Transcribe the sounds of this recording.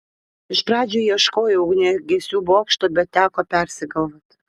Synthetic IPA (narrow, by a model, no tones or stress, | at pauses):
ɪʃpɾɑːd͡ʒʲoiɛʃkoːjɛʊɡnʲɛɡʲesʲuːbuɑːkʃt̪obʲɛt̪̚t̪ːʲæːkɔpʲɛrʲsʲɪɡɐlˠvɐt̪